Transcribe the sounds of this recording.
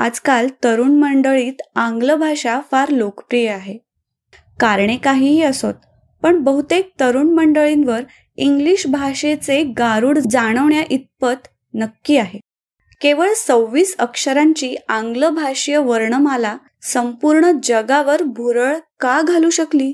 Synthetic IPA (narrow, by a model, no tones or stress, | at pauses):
a̰d͡zkalt̪əɾuːɳməɳɖəɭiːt̪ãŋɡləbʱaɕafaɾlokpɾijəaɦe | kaɾɳekaɦiːɦiːəsot̪̚ | pəɳbəɦut̪ek̚t̪əɾuːɳməɳɖəɭinʋəɾ | iŋɡliɕbʱaɕet͡seɡaɾuːɽd͡zaɽ̃əʋɳjaʔit̪̚pət̪ | nəkːiːaɦe | keʋəɭsəwʋiːsəkʂəɾaɲt͡ɕiːãŋɡləbʱaʂjəʋəɾɳəmala | səmpuɾɳəd͡ʑəɡaʋəɾbʱuɾəɭkaɡʱaluːɕəkliː